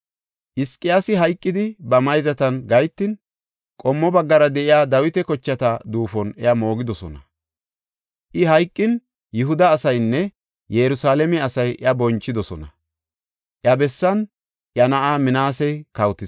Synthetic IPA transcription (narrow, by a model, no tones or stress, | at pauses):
ʔɪskʼːɪjasɪɦɐjkʼːɪd̪ɪbɐmɐjzɐt̪ɐnɡɐjt̪ːɪn | kʼɔmːɔbɐɡːɐɾɐd̪ɛʔɪjaːd̪ɐwɪt̪ɛkɔt͡ʃːɐt̪ɐd̪uːfɔnɛjɐmo̞ːɡɪd̪ɔsɔnɐ̰ | ʔɪɦɐjkʼːɪn | jʊɦʊd̪ɐːsɐjnːɛ | jɛɾʊsaːlɛmɛɐsɐjʔɐbɔnt͡ʃːɪd̪ɔsɔnɐ | ʔjɐbɛsːɐn | ʔjɐnɐʔaːmɪnaːsɛjkɐwt̪ːɪ